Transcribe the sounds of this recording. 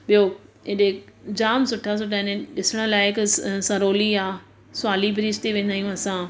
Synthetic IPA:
ɓijõɗed͡ʑaːmsʊʈʰas̬ʊʈʰaɪneɗɪsəɽ̃ə̆laːɪksɐ̃ɾoːliãː | sʊaːlibʱɾiːst̪iʋẽːnd̪aːijũɐsã

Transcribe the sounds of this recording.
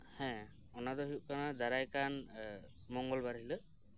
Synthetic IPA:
hɛ̃ | ɔnadɔɦukanadaɾajkan | mɔŋɡɔlbaɹhilɯ

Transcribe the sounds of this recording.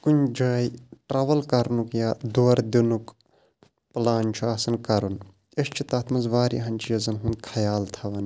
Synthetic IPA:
kunʲd͡ʒɐːjʈɾaʋɐlkɐɾnukjaːd̪oɾd̪inuk | plaːnʲt͡ʃʰuɐsɐnkɐɾun | eʃt͡ʃʰit̪ɐːt̪ʰmɐnzʋaːɾḭɦɐnʲt͡ʃʰijɐzɐnɦund̪̚kʰɐjaːlt̪ʰɐʋɐn

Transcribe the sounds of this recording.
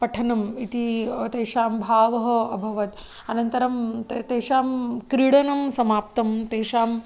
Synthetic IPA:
pɐʈʰɐnɐmit̪it̪eːʃaːmbʱaːʋɐɦɐɐbʱɐʋɐt̪ | ɐnɐnt̪ɐɾɐmt̪eːʃaːmkɾiɽɐnɐmsɐmaːpt̪ɐmt̪eːʃaːm

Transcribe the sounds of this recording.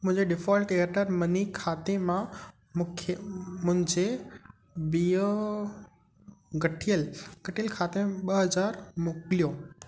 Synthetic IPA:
mʊ̃ɦɪ̃ɲd͡ʑeɖɪfɔːlʈeːɾʈəɾmɐnikʰaːt̪emã | mʊkʰmʊ̃ɦɪ̃ɲd͡ʑe | bijo | ɡɐʈʰijəlɡ̥ɐʈʰijəlkʰaːt̪ẽɓɐɦɐzaːɾmʊkɪlijõ

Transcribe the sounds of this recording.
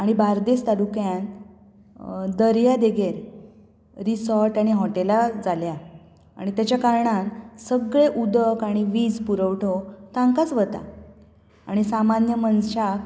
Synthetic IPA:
aɽ̃ibaɾd̪est̪aɾukjãn | d̪əɾjad̪eɡeɾ | ɾisɔɾʈaɽ̃iɦɔʈelad͡zalja | aɽ̃it̪jat͡ɕjakaɾɳansəɡɭeʔud̪əkaɽ̃iʋid͡zpuɾəʋʈʰot̪ãŋkat͡sʋət̪a̰ | aɽ̃isamanjəmənɕak

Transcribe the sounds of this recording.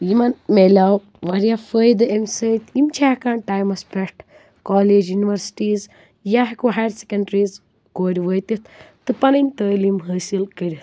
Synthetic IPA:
jimɐnmelʲaw | ʋɐɾijafəːjd̪ɨemsəjt̪imt͡ʃʰaːkaːɳʈaːjmɐspʲeʈ | kɔːleːd͡ʒjuniʋɐɾsi̥ʈiːz | jaɦikuɦaɾʲsekɐɳɖɾiːz | ɡoːɾʲiʋəːjt̪it̪t̪ɨpɐnɐnʲt̪əːlimɦəːsilkəɾʲit̪

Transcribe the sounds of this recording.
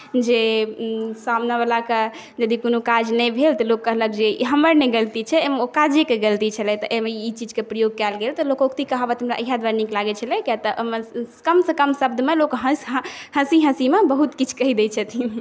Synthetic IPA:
d͡ʒe | samnaβalake | d͡ʒəd̪ikonokad͡ʒnɛbʱelt̪ɔlokːəɦləkd͡ʒeɦəməɾneɡəlt̪it͡ʃʰɛemeokad͡ʒekeɡəlt̪it͡ʃʰəlɛt̪ɔʔemeit͡ʃid͡ʒkepɾəjoɡ̚kɛlɡelt̪ɔlokokt̪ikəɦabɛt̪ɦəmɾa̰ʔəɦad̪waɾniklaɡɛt͡ʃʰəlɛkjat̪əʔməkəmsekəmsəb̚d̪ʱmelokɦəsɦhə̃siɦə̃simebəɦut̪kit͡ʃʰkəɦid̪ɛt͡ʃʰət̪ʰi

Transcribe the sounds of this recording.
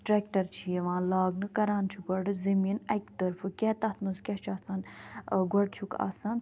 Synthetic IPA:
ʈɾeːk̚ʈɐɾt͡ʃʰijeʋãːlaːɡnɨkɐɾaːnt͡ʃʰuɡɐɖɨzɐmiːnɐkt̪əɾfʰɨkʲɛːt̪ɐt̪mɐzkʲɐt͡ʃʰaːsaːnɡɔɖ̚t͡ʃʰuka̰ːsaːn

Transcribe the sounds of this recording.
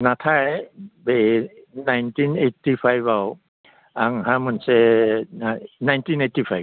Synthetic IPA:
nat̪ʰajbenajntʰinetipʰajbaw | aŋhamɯnseanajntʰinetifʰaj

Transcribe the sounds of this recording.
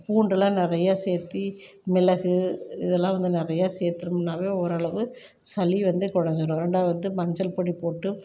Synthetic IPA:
puːɳɖɐlãːnɪɾɐjaːseːɾt̪ːimɪlɐɣɯɪðɛlːãːʋɐnd̪ɯnɪɾɐjaːseːɾt̪ːɯɾɯmnːaːʋeːɔɾɐɭɐʋɯ | sɐliʋɐnd̪ɯkɔɽɐɲd͡ʒɯɾõːɪɾɛɳɖaːʋɐnd̪ɯmɐɲd͡ʒɐlpoːɽipoːʈːɯ

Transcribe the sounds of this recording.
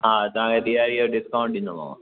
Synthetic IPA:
ɦaːt̪ɐʋ̤ãkʰet̪ijaːɾioɖɪskaːʊ̃ɳʈɗɪ̃nd̪oma̰ːʋã̰

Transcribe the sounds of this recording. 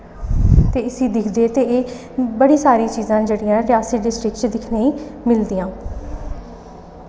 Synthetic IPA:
t̪eːɪsiːd̪ɪkʰd̪eːt̪eːeː | bəɽiːsaːɾĩt͡ʃiːzãːd͡ʒeːɽijãːɾɪaːsiɖɪsʈɾɪkt͡ʃd̪ɪkʰneːiːmɪld̪iːãː

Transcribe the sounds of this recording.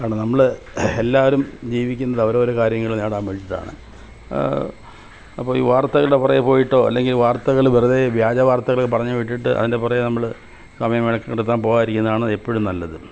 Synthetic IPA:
aɳenɐmːɐɭ | elːaːʋɐɾumd͡ʑiːʋikʲːunːɐðɐʋɐɾoːɾukaːɾjɐŋːɐɭneːɽaːmʋeɻit͡ɕːiʈːa̰ːɳɨ̰ | ɐpːoːḭːʋaːrt̪ːɐɣɐɭuɽe̞purɐjɐpo̞ːjiʈːo̞ːɐ̰lːe̞ŋɡilʋaːrt̪ːɐɣɐɭʋirɐðeʋjaːd͡ʑɐʋaːrt̪ːɐɣɐɭkːɨpɐrɐɲːuʋiʈ̬ːiʈːɨʔɐ̰ðinde̞purɐjenɐmːɐɭ | sɐmɐjɐmeɭɐkːɐkɽut̪ːaːnpo̞ːɣaːjiɾikʲːunːɐðaːɳɨepːoɽumnɐlːɐðɨ

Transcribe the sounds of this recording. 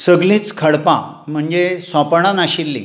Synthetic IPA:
səɡlĩt͡skʰəɽpã̰ | m̤əɳd͡zesɔ̃pɽ̃anaɕilːḭ

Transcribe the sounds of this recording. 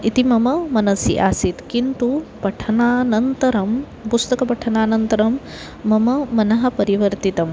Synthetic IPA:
it̪imɐmɐmɐnɐsjḭʔa̰ːsit̪kint̪upɐʈʰɐnaːnɐnt̪ɐɾɐm | pust̪ɐkɐpɐʈʰɐnaːnɐnt̪ɐɾɐmː | ɐmɐmɐnɐɦɐpɐɾiʋɐɾt̪it̪ɐm

